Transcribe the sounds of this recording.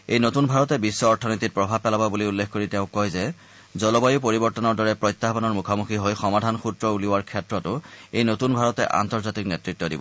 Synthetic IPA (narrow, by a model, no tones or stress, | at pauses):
ejnotunbʱaɹɔtɛbisːɔːɹtʰɔnojtit̚pɹɔbʱab̚pɛlababuliulːekʰxkoɹitɛʊ̃kɔjzɛ | zɔlɔbajʊpoɹibɔɹtɔnɔɹdɔɹɛpɹɔjtːaɦbɔnɔɹmukʰɔmuxʰiɦojxɔmadʱanxutɹɔuliwaɹkʰɛtɹɔtʊejnotunbʱaɹɔtɛʔa̰ntɔɹzatiknɛtɹitːɔdḭbɔ̰